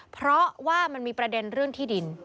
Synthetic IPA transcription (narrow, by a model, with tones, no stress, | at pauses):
pʰɾɔ˦˥waː˥˩ma˧nmiː˧pɾa˧de˧nɾɯ˥˩əŋt̪ʰiː˥˩di˧n